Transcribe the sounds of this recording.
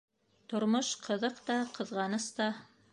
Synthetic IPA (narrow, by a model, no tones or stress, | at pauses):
t̪ŏɾmoʃqʰɤ̆ðɤqt̪ɑqɤ̆ðʁɑnɤst̪ɑ